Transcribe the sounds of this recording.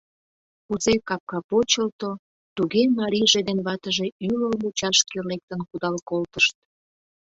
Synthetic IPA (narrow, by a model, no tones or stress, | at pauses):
kuzekɑp̚kɑpot͡ɕəlt̪o | t̪uɣemɑɾʲijʒed̪enβɑt̪əʒe̽yləlut͡ɕɑʃkelek̚t̪ənkud̪ɑlkolt̪əʃt̪̚